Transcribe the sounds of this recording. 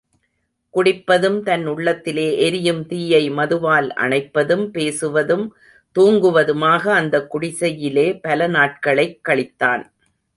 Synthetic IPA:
kʊɽɪpːɐðɯmt̪ɐnʊɭːɐt̪ːɪleːʔɛɾɪjɯmt̪iːjɐɪmɐðɯʋaːlʔɐ̰ɳɐɪpːɐðɯmpeːsɯʋɐðɯm | t̪uːŋɡɯʋɐðɯmaːɣɐːnd̪ɐkːʊɽɪsɐjɪleːpɐlɐnaːʈ̚kɐɭɐɪkːɐɭɪt̪ːaːn

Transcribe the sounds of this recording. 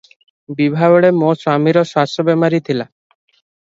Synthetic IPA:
bibʱabɔɽemoswamiɾɔʃasobɛmaɾit̪ʰila

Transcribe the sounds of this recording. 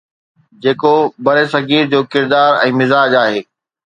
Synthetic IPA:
d͡ʑeːkobɐɾesɐɡiːɾd͡ʑoːkɪɾd̪aːɾɛ̃ːmɪzaːd͡ʑaːɦeː

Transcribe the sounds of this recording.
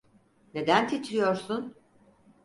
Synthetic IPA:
ne̞d̪ænt̪ʰit̪ʰɾijo̞ɾsun

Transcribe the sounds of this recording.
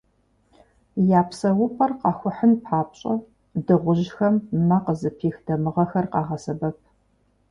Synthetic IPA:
jaːpʰsɐwʊpʰʼɐrqɑːxʷʊħənpħaːp̚ɕʼɐ | dɨʁʷʊʑxɐmːɐqəzɨpʰiːxd̥ɐmɨʁɐxɐrqɑːʁɐsɐbɐp̚ʰ

